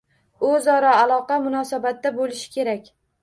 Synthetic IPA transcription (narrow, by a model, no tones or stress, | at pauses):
ʊzɒɾaːlˠɒqɑmʊnɒsabat̪ːabolɪʃɪ̥kʲʰe̞ɾakʲ